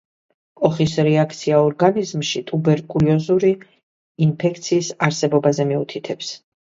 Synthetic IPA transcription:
kʼɔχisɾɛakʰt̪sʰiaɔɾɡanizmʃit̪ʼubɛɾkʼuliɔzuɾiː | npʰɛkʰt̪sʰiːsaɾsɛbɔbazɛmiut̪ʰit̪ʰɛps

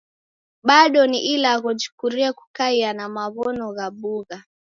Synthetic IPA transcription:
ɓaɗɔniʔilaɣɔd͡ʒu̥kuɾiɛku̥kaianamaβɔnɔɣaɓuɣa

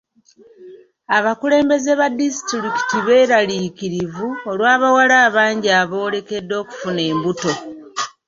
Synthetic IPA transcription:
aβakule̞ːmbe̞zeβadisi̥tɾiki̥tiβe̞ːɾaliːkiɾivuolwaːβawalaːβaːɲɟiaβo̞ːle̞ke̞dːo̞ːku̥fune̞ːmbuto̞

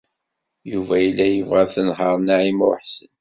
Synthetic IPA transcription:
juvæjlːæjəvʁæθənɦəɾˤnaʕimo̰ħsən

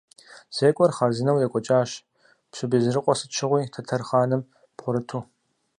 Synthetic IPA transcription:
z̥eːkʷʼɔrχɐrzɨnɐwjɛkʷʼɔt͡ʃʼaːʃ | pɕʷɨbiːzɨrɨqʷʼɔsɨt͡ʃʰɪʁʷiːtʰɐtʰɐrχaːnɨm | pχʷʊɾɨtʰuː

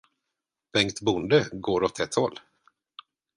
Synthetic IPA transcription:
b̥ɛŋkt̪bʊnd̪əɡoːɾɔt̪ʰɛt̪hɔlː

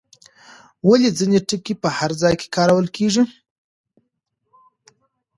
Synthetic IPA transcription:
waled͡zineʈəkːepəhaɾzɑjke̥kɑɾawəlkʰeʐi

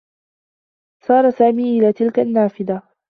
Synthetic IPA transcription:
sɑːɾˤɑsaːmiːʔɪlaːt̪ɪlkanːaːfɪd̪a

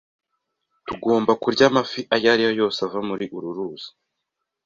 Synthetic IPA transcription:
tuɡo̞ːmbakuɾɟamafiʔajaɾijojo̞ːsavamuɾiʔuɾuɾuːz̥i̥

